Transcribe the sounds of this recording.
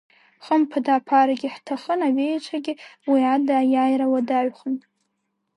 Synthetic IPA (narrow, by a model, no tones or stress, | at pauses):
χəmpʰadaːpʰaɾaɡʲɪħtʰaχənaɥejt͡ʃʷʰaɡʲɪwiadaːjajrawadaɥχənʼ